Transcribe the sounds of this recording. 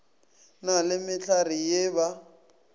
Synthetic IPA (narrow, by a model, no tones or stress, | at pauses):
nalɪmɪt͡ɬʰarijeːβa